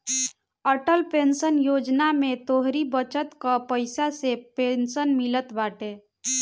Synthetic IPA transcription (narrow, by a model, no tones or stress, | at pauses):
əʈəlpensənjod͡ʒnamet̪oɦɾibət͡ʃət̪kəpəɪsasepensənmilət̪baʈe